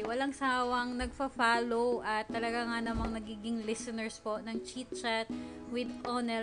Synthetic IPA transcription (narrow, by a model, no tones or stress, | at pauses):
wɐlaŋsaːwɐŋnɐɡ̚fɐfaːlowʔɐt̪ːɐlɐɡaŋanɐmɐŋnɐɡiːɡɪŋlɪsɛnɛɹsponɐŋt͡ʃit̪̚t͡ʃat̪̚ | wɪd̪konɛ